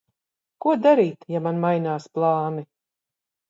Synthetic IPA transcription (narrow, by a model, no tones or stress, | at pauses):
kuɔd̪aɾiːt̪jamanmajnaːsplˠɑːni